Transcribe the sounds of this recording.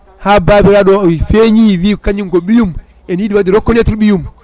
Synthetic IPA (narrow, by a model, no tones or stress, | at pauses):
haːbaːbiɾaɗɔwifeɲiwiːkaɲiŋkɔɓijum | ɛnjiɗiwadiɾɔkːɔnɛtiɾɓijum